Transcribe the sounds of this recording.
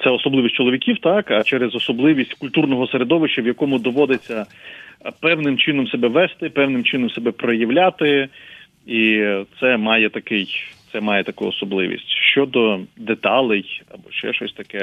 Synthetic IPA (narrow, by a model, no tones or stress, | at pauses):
t̪ɛɔsɔblˠɪʋʲisʲt͡ʃɔlˠɔʋʲikʲiwt̪ɑkɐt͡ʃɛɾezɔsɔblˠɪʋʲisʲtʲkʊlʲt̪urnɔɦɔseɾed̪ɔʋɪʃt͡ʃɐʋjɐkɔmʊd̪ɔʋɔd̪ɪt͡sʲːɐ | pɛwnɪmt͡ʃɪnɔmsebɛʋɛst̪ɪpɛwnɪmt͡ʃɪnɔmsebɛpɾɔjɐʋlʲat̪ɪ | it̪sɛmɑjɛt̪ɐkɪjt̪sɛmɑjɛt̪ɐkujɔsɔblˠɪ̰ʋʲḭsʲtʲʃt͡ʃɔd̪ɔd̪et̪ɑlˠɛjɐ̰bɔʃt͡ʃɛ̰ʃɔsʲt̪ɐkɛ